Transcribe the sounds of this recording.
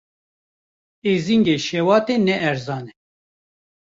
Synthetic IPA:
eːziŋɡeːʃɛwɑːt̪eːnɛʔɛɾzɑːnɛ

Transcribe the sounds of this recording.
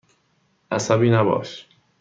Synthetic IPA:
ʔæsæbiːnæbɒ̰ːʃ

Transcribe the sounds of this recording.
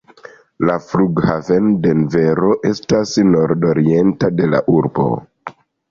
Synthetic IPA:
lafluɡhavende̞nve̞ɾo̞ʔe̞stasno̞ɾdo̞ɾie̞ntade̞la̰ʔuɾbo̞̰

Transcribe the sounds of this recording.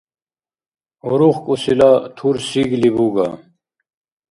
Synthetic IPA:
uɾuχkusilaːt̪ʰuːɾsiɡlibuːɡa̰ː

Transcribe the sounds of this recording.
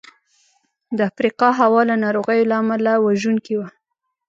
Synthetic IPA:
d̪əafɾiqɑɦawɑlanɑɾoɣəjolaamalawaʒunkiwa

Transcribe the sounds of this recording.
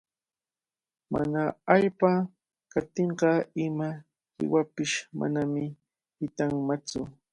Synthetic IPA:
ma̰naaʎpa | kat̪eɴɢɑɪma | hɪ̰wapɪʃma̰namɪ | hɪt̪aŋmat͡sʊ

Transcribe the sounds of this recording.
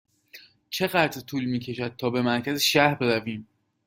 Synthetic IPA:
t͡ʃʰe̞ɣæt̪ʰɾt̪ʰuːlmiːcʰe̞ʃæd̪̥̚t̪ʰɒːbe̞mæɾcʰæzeʃæhɾbeɾæviːm

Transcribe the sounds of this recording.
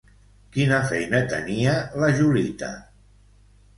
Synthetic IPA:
kinəfɛjnət̪ə̰niələʒulit̪ə̰

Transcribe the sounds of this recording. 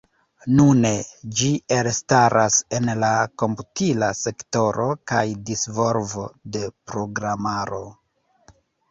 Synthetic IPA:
nune̞d͡ʒielstaɾʔase̞nlako̞mputilase̞kto̞ɾo̞kajdisvo̞lvo̞de̞pɾo̞ɡɾamaɾo̞

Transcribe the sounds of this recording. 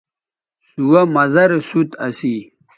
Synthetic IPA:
suwɐmɐzɐɾesut̪ɐsi

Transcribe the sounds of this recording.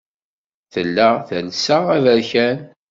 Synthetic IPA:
θəlːæθænsaævəɾçæn

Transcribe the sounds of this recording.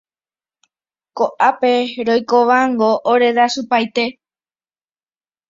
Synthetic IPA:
koʔape̞ɾojkoʋaŋɡo̞ʔoɾe̞d̪asupajt̪e̞

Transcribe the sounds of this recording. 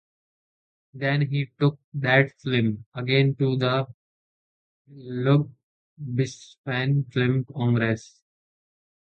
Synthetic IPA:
d̪ɛ̃nɦiːʈʊk̚d̪æʈflɪ̃məɡẽnʈud̪ə | lʊɡ̚ | bɪsfɛ̃nflɪ̃mkɔ̃ŋɡɾes

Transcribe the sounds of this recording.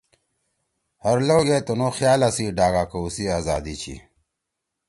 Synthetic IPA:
hɐɾloːɡet̪onoxjaːlasiɖaːɡakousiaːzaːd̪it͡ɕʰḭ

